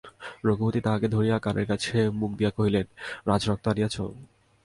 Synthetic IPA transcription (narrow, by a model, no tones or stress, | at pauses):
ɾoɡʱubot̪it̪aɦaked̪ʱoɾijakanḛɾkat͡ɕʰemuk̚d̪ijakoɦilenɾad͡ʑɾɔk̚t̪oanijat͡ɕʰo̰